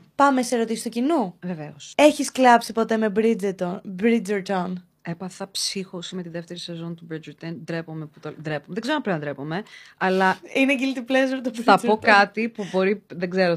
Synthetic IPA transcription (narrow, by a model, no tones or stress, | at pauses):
pɐme̞seɾo̞t̪isist̪ocinuveveose̞çisklɐpsipo̞t̪e̞mebɾid͡zet̪obɾid͡ʒeɾt̪on | epɐθɐpsixosimet̪iðe̞ft̪eɾisezo̞nt̪ubɾid͡ʒeɾt̪end̪ɾepomeput̪od̪ɾepomeðeɡzeɾompɾind̪ɾe̞pome̞ɐlɐineɟilt̪iplezoɾt̪obɾɐo̞kkɐt̪ipubo̞ɾiðeɡzeɾo